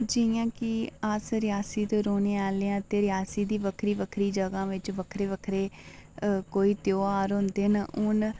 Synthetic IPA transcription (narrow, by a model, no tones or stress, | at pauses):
d͡ʒijãːkɪəsɾɪjaːsiːt̪oɾoːneːaːleãːt̪eːɾɪjaːsiːd̪iːʋəkʰɾiːʋəkʰɾiːd͡ʒəɡãːʋɪt͡ʃʋəkʰɾeːʋəkʰɾeː | koːiːt̪joːaːɾɦʊ̃nd̪eːnʊn